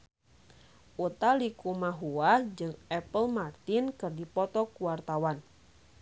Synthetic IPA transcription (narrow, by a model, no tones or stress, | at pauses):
ʔut̪alikumaɦuad͡ʒɨŋɛpəlmart̪inkɨrdipɔt̪ɔkuwart̪awan